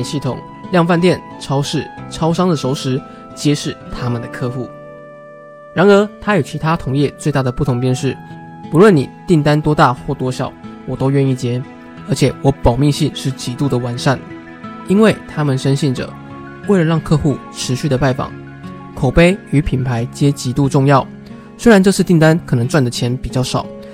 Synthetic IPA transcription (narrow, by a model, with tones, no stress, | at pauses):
ɕi˥˩t̪ʰʊ̰˨˩ŋ | ljɑ˥˧ŋfa˥˧nt̪jɛ˥˩n | ʈ͡ʂʰɑ˥ʊʂɻ̩˥˩ʈ͡ʂʰɑ˥ʊʂɑ˥ŋd̪ə˨˩ʂo˧˥ʊʂɻ̩˧˥ | t͡ɕjɛ˥ʂɻ̩˥˩t̪ʰa˥mə˨nd̪ə˩kʰɤ˥˧xu˥˩ | ɻa˧˥nə˞˧˥t̪ʰa˥ji˨˩t͡ɕʰi˧˥t̪ʰa˥t̪ʰʊ˧˥ŋjɛ˥˧t͡swe˥˧ɪt̪a˥˩d̪ə˩pu˥t̪ʰʊ˧˥ŋpjɛ˥˧nʂɻ̩˥˩ | pu˧˥lwə˥˩ni˨˩t̪i˥˩ŋt̪a˥nt̪wɔ˥t̪a˥˧xwɔ˥˩t̪wɔ˥ɕjɑ̰˨˦ʊwɔ˨˩t̪o˥ʊɥɛ˥˧ni˥˩t͡ɕjɛ˥ | ə˞˧˥t͡ɕʰjɛ˨˩wɔ˧˥pɑ˨˩ʊmi˥˧ŋɕi˥˧nʂɻ̩˥˩t͡ɕi˧˥t̪u˥˩d̪ə˩wa˧˥nʂa˥˩n | i˥nwe˥˩ɪt̪ʰa˥mə˨nʂə˥nɕɛ˥˩nʈ͡ʂə̰˨˩˦ | we˥˩ɪɻə˧˦ɻɑ˥˧ŋkʰɤ˥˧xu˥˩ʈ͡ʂʰɻ̩˧˦˥ɕy˥˩d̪ə˩pa˥˩ɪfɑ̰˨˩˦ŋ | kʰo˨˩ʊpe˥ɪy˧˥pʰi˨˩npʰa˧˥ɪt͡ɕjɛ˥t͡ɕi˧˥t̪u˥˧ʈ͡ʂʊ˥˧ŋjɑ˥˩ʊ | swe˥ɪɻa˧˦nʈ͡ʂɤ˥˧ʂɻ̩˥˧t̪i˥˩ŋt̪a˥nkʰɤ˨˩nɤ˧˥ŋt͡swa˥˩nd̪ə˩t͡ɕʰjɛ˧˥˦npi˨˩t͡ɕjɑ˥˩ʊʂɑ˨˦ʊ